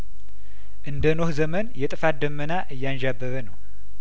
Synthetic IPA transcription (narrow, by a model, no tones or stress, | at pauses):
ʔɨnd̪ənohzəmənjɛt̪ʼɨfat̪̚d̪əmːənaʔɨjːanʒabːəβənəw